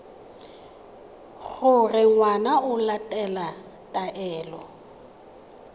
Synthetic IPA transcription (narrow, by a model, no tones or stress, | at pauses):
ɣʊrɪŋwanaʊlatʼɛla | tʼaʔɛːlɔ